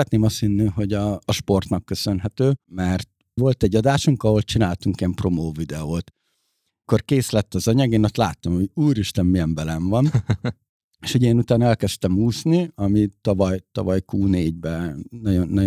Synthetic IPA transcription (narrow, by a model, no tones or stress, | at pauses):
ɛt̪neːmɒst̪hinːiɦo̞ɟɒːʃpo̞rt̪nɒkːø̞sø̞nɦɛt̪øːmɛrt̪̚ | vo̞lt̪ɛɟːɒd̪aːʃuŋkɒɦo̞lt͡ʃinaːlt̪uŋkiɛmpro̞moːvid̪ɛoːt̪ | kːo̞rkeːslɛt̪ːɒzɒɲɒɡeːnost̪laːt̪ːɒmho̞ɟuːɾiʃt̪ɛmːijɛmbɛlɛɱvɒn | eːʃhoɟeːnut̪aːnɛlkɛst̪ɛmuːsniɒmit̪ɒvɒjt̪ɒvɒjkuːneːɟbɛnɒɟonːɒ